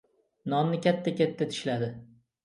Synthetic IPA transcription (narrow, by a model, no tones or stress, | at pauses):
nɒnnɪkʲʰat̪ːakʲʰat̪ʰːat̪ʰɪ̥ʃlad̪ɪ